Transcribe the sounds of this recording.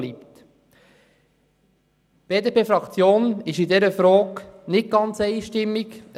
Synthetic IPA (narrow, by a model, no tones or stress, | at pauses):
lipt | b̥eːdepʰeːfɾɑkt͡sjoːnɪʃidɛɾəfɾɔːknɪt̚ɡɑnt͡sɛɪʃtɪmːik